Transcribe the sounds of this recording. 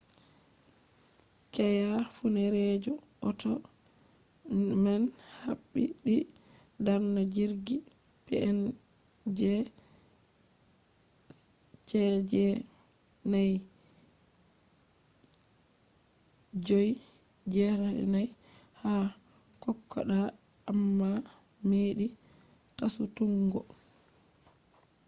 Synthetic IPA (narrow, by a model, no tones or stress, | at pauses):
kɛjafunɛɾɛd͡ʒɔ | ɔtɔ | man | haɓːiɗi | daɾnɔd͡ʒiɾɡi | pɛ̰ʔɛn | d͡ʒɛ | t͡ʃɛd͡ʒɛ | naj | d͡ʒoj | d͡ʒɛɾa̰naj | ha | kɔkːɔ̰ɗaː | mːa | meɗi | tasutuŋɡɔ